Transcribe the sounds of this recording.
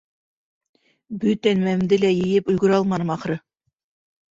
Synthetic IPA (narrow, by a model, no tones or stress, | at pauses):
bɵt̪ænmæmd̪ɘlæjɘ̆jɘpɵ̆lɡɵ̆ɾɑlˠmɑnɤmɑχɾɤ